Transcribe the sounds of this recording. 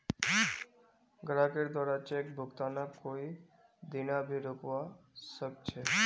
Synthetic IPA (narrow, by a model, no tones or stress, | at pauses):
ɡɾakeɖd̪waːɾat͡ʃek̚bʱʊɡt̪anakoi | d̪inabʱiɾokʋasək̚t͡ʃʰe